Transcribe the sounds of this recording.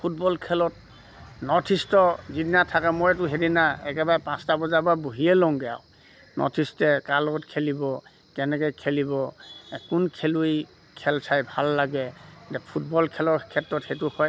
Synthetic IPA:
pʰut̚bɔlkʰɛlɔt | nɔtʰistɔzidinatʰakɛmojɛt̬ʊɦedinaɛkɛbaɹɛpãstabɔzababuɦiɛlɔŋɡɛja̰w | nʔɔ̰tʰistɛkalɔɡɔtkʰelibɔ | kɛnɛkɔjkʰelibɔkunkʰelui | kʰɛltʰajbʱalːaɡɛdɛpʰutbɔlkʰɛlɔɹkʰɛtɹɔtxejtʊhɔj

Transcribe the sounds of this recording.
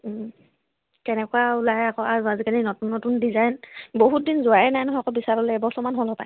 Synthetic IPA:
kɛnɛkuaulaɦɛakɔazuazikaninɔtunːɔtundizajnboɦut̚dinzʊaɛnajnɔɦɔakɔbisaɹɔlɛɛbɔsɔmanɦɔlɔpaj

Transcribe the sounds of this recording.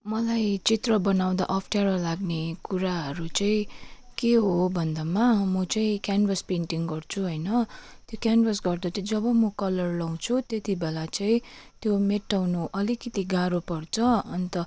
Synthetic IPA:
mʌlajt͡sit̪rʌbʌnaw̃d̪a̰ʔʌpʰʈaɾʌlaɡnekuɾaɦʌɾut͡sʌĩkeɦobʱʌnd̪amamʌt͡sʌĩkjanbʌspenʈiŋɡʌrt͡sʰuɦʌjnʌt̪jokjanbʌsɡʌrd̪at͡sʌĩd͡zʌbʌmʌkʌlʌrlʌw̃t͡sʰut̪et̪ibelat͡sʌĩt̪jomeʈːawnuʔʌlikʌt̪iɡaɾopʌrt͡sʰʌʌnt̪ʌ

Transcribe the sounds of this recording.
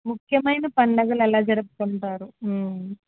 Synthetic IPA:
mukʰjɐmɐjnɐpɐɳɖɐɡɐlɛlaːd͡ʒɐɾupuk̪uɳʈaːɾuː

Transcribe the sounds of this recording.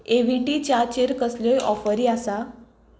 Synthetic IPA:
eʋiʈit͡ɕat͡ɕeɾkəsljɔjʔɔfəɾiasa

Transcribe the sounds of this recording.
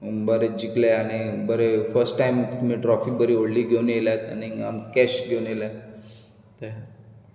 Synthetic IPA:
bəɾed͡ʑikleaɽ̃ibəɾefəɾsʈʈːajmt̪um̤ĩʈɾɔfik̚bəɾioɽliɡʱewneljat̪ania̰mkɛɕɡʱewnela | t̪əɦ

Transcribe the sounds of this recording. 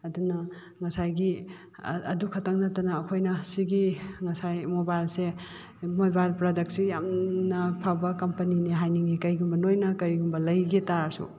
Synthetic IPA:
ɐdunɐ | ŋɐsajɡi | ɐdukʰɐtaŋnatanɐːkʰojnɐsiɡiŋɐsajmobajlse | mobajlpɾadɐk̚sijamnɐpʰabɐkɐmpɐniniɦajniŋikɐjɡumbɐnojnɐkɐɾiɡumbɐlɐjɡetaɾsṵ

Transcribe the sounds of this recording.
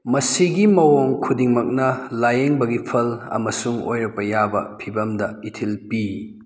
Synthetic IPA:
mɐsiɡimɐwoŋkʰudiŋmɐk̚nɐlajeŋbɐɡipʰɐlɐ̰mɐsuŋo̰jɾɐpɐjabɐ̰pʰibɐmdɐitʰilpi

